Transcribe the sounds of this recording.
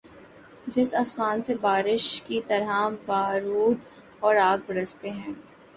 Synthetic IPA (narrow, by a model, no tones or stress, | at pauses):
d͡ʒɪsɐsmaːnsebaːɾɪʃkit̪ɐɾɦabaːɾuːd̪ | ɔːɾaːɡ̚bɐɾəst̪eɦɛ̃ː